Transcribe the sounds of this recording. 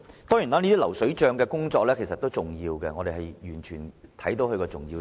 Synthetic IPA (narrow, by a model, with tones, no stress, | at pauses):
t̪ɔː˥jy˨˩naː˥niː˥t̪iː˥lɐ˨˩wsɵ˨˥ɥt͡ʃœː˧ŋkɛː˧kʊ˥ŋt͡ʃɔː˧k̚lɛː˥kʰjs̬ɐ˨t̪ːo˥wt͡sʊ˨ŋjiː˧wkɛ˧ŋɔ˨˧e˨jhɐ˨jjyː˨˩nt͡ʃʰyː˨˩nt̪ʰɐ˨˥jt̪o˨˥whɵ˧kɔː˧t͡sʊ˨ŋjiː˧